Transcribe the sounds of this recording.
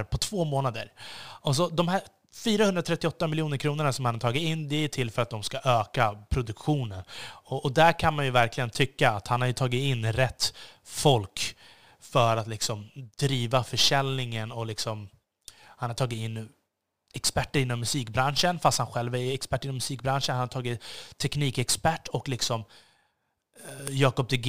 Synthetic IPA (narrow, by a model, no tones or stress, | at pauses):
ɾpʰɔt̪ʰv̥oːmoːnad̪əɾɔs̬ɔd̪ɔmɦæ | fyːɾahɵnɾat̪ʰɾɛt̪ːɪɔt̪ːamɪljuːnəɾkʰɾuːnəɳasɔmhanhaʈʰɑːɡɪt̪ɪnːd̪ɛːʈʰɪlːfœɾat̪̚d̪ɔmskaʔøːkapʰɾʊd̪ɵkɧuːnənɔʔɔd̪æɾkʰanmanjɵvæɾklɪɡənt̪ʰʏkːaːt̪hanhaɾjɵt̪ʰɑːɡɪt̪ɪnːɾɛt̪ːfɔlk | fœɾat̪lɪksɔmd̪̥ɾiːvafœʂɛlnɪŋənɔlɪksɔm | hanhaʈʰɑːɡɪt̪ɪnː | ɛkspæʈːəɾɪnːɔmːɵsiːkbɾanʂənfast̪hanɧɛlvæɾɛkspæʈːɪnːɔmːɵsiːk̚bɾanʂənhanhaʈʰɑːɡɪt̪t̪ʰːɛkniːkɛkspæʈːɔklɪksɔm | jɑːkɔp̚d̪ɛɡ